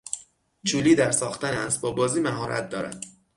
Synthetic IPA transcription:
t͡ʃʰuːliːd̪æɾsɒːxt̪ænæs̚bɒːbɒːziːmæɦɒːɾæ̰t̪̚d̪ɒːɾæ̰d̪̥

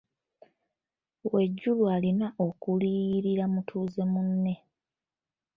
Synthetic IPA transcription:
we̞ɟːulwaːlinaʔo̞kuliːɾiɾamutʰuːze̞munːe̞

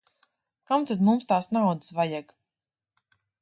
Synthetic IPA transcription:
kamt̪ad̪mumst̪aːsnawd̪ɨ̥svajaɡ

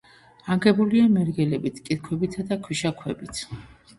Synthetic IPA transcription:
aŋɡɛbuliamɛɾɡɛlɛbit̪ʰkʼit̪̚kʰwɛbit̪ʰad̪akʰwiʃakʰwɛbit̪ʰ

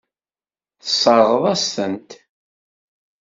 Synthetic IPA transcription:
θəsˤːəɾˤʁəðˤæstənt̪

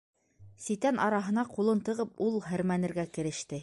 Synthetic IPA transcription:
sit̪ænʔɑɾɑɦɤ̆nɑqulˠɤnt̪ɤ̆ʁɤpulˠɦɘ̆ɾmænɘ̆ɾɡækɘ̆ɾɘ̆ʃt̪ɘ

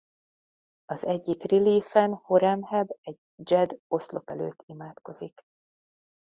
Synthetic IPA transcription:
ɒzɛɟːikriliːfɛnho̞ɾɛmhɛbɛɟ | d͡ʒɛd̪o̞slo̞̰pɛlø̰ːt̪ʰːimaːt̪ko̞zik

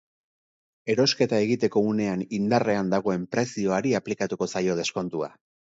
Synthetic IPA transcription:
e̞ɾo̞ske̞t̪ae̞ɣit̪e̞ko̞une̞anind̪are̞and̪aɣ̞o̞e̞mpɾe̞sio̞aɾiaplikat̪uko̞sajo̞ð̞e̞sko̞nt̪ua̰

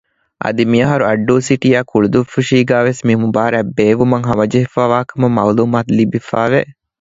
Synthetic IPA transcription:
ʔɐ̰d̪imijɐɦɐɾuɐɖːuːsiʈijaːkuɭud̪ufuʃiːɡæːʋesmimubaːɾæbːeːʋumɐŋɦɐmɐd͡ʒɐɦifaːʋaːkɐmɐmɐːluːmaːt̪libifaːʋe

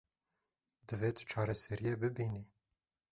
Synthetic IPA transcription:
d̪ɨveːt̪ʰt͡ʃʰɑːɾɛsɛɾijebɨbiːni

